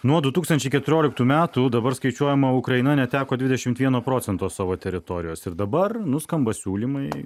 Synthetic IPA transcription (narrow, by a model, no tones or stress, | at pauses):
nuɔd̪ʊt̪uːkst̪ɐnʲt͡ʃʲɛɪkʲɛt̪ʊɾʲoːlʲɪk̚t̪uːmʲæːt̪ud̪ɐbɐɾskɐɪt͡ʃʲuɔjɛmɐʊkɾɐɪnɐnʲɛt̪ʲæːkoːd̪ʲʋʲɪd̪ʲɛʃʲɪmt̪ʋʲiɛnoːpɾoːsʲɛnt̪oːsɑːʋoːt̪ʲɛɾʲɪt̪oːɾʲɪjoːsɪɾd̪ɐbɐrnʊskɐmbɐsʲuːlʲimɐɪ